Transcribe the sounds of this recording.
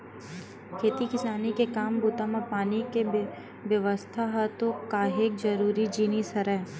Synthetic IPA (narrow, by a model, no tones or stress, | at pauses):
kʰeːt̪ikɪsaːnikekaːmbuːt̪amãpaːnike | ʋjɐʋəst̪ʰaɦɐt̪okaːɦek̚d͡ʒɐɾuːɾid͡ʒiːnisɐɾɛː